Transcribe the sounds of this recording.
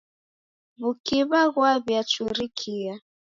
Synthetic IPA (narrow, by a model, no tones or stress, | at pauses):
βukiβaɣwaβjat͡ʃuɾikʰia